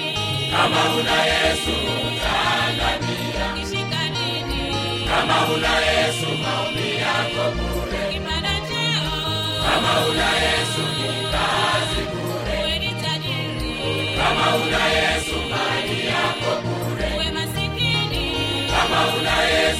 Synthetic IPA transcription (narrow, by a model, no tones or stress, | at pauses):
amaulajesuutananija | amaulajesumaumijakokulɛ | amaulajesumutazikuːlɛ | amaulajesumaɾijakoku | lɛ | amaulaje